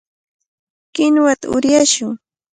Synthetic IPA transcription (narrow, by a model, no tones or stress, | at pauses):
kɪnwat̪aʊ̰ɾjaʃʊŋ